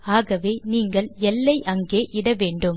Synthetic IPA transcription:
aːɣɐʋeːniːŋɡɐɭɛlːɐɪʔɐŋɡeːʔɪɽɐʋeːɳɖɯm

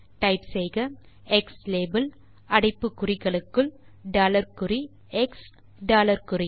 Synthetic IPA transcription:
ʈɐɪpsɛjɣɐ | ɛksleːbɐl | ɐɽɪpːɯkːʊrɪɣɐɭɯkːɯɭ | ɖaːlɐɾkɯri | ɛks | ɖaːlɐɾkɯri

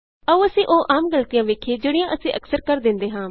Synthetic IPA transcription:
əũːəsĩːʔoːʔaːmɡəlt̪ijãːʋeːkʰːeːd͡ʒeːɽɪjãːʔəsĩːʔəksəɾkəɾd̪ɪnd̪eːɦãː

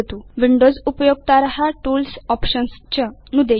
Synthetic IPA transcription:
t̪uʋiɳɖod͡zupəjoɡ̚t̪aɾɦaʈuːlsɔpɕənst͡ɕənud̪e

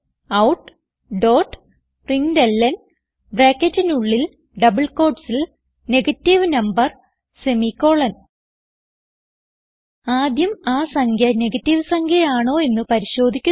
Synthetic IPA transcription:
ɐwʈ | ɖo̞ːʈː | priŋdelːɐn | breːkːetːɨnuɭːil | ɖɐbɨɭko̞ːɖsil | ne̞ɡɐtːiʋnɐmbɐr | se̞mikːo̞ːɭɐn | aːd̪jɐmaːsɐŋkʰjɐne̞ɡɐtːiʋɨsɐŋkʰɐjaːɳo̞ːe̞nːɨpɐɾiɕo̞ːd̪ʱikʲːu

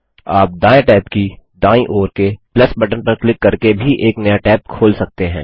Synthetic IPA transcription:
aːp̚d̪aːjʈɛːpkid̪ãːĩʔoːɾkeplɐsbɐʈənpɐɾklɪkːɐɾkebʱiʔeːknɐjaʈɛːp̚kʰoːlsɐk̚t̪eɦɛ̰̃ː

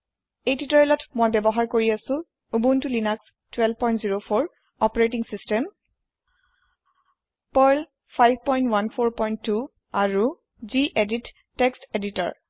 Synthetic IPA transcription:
ejtitɔjɔlɔtmojbɛbɔɦaɹkoɹiasʊ̃ | ubuntulinaks | tʰwɛlb̚ʱpɔjntziɹopʰoɹ | ɔpɔɹetiŋsistɛm | pɔjl | pʰajb̚ʱpɔj̃ntwanpʰoɹpɔjntːu | aɹu | ziʔeditː | eksteditɔ̰ɹ

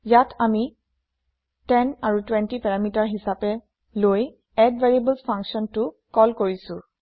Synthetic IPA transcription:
jatʰami | tɛnaɹutwɛntipɛɹamitaɹɦisapɛ | loj | ɛdvaɹiebəlspʰãŋksɔntʊ | kɔlkoɹisʊ̃

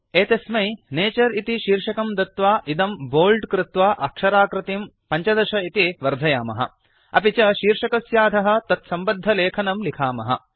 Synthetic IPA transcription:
eːt̪ɐsmɐjneːt͡ʃɐɾit̪iʃiːɾʂɐkɐmd̪ɐt̪ʋaːʔid̪ɐmboːlɖkɾɪt̪ʋaːʔɐkʂɐɾaːkɾɪt̪im | pɐɲt͡ʃɐd̪ɐʃɐit̪iʋɐɾd̪ʱɐjaːmɐ̰ɦɐ̰ | ɐ̰pit͡ʃɐʃiːɾʂɐkɐsjaːd̪ʱɐɦɐ̆t̪ɐt̪sɐmbɐd̪ʱːɐleːkʰɐnɐmlikʰaːmɐɦɐ̰

